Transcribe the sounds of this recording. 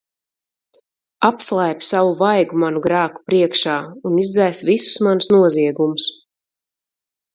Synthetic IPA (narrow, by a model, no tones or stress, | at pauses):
apslˠajpʲsavuvajɡumanuɡɾaːku̥pɾiɛkʃaːunizd̪zɛjsvisu̥smansnuɔziɛɡumus